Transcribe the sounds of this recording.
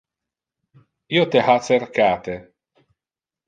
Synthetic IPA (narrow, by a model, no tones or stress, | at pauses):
iot̪ehat͡serkaːt̪e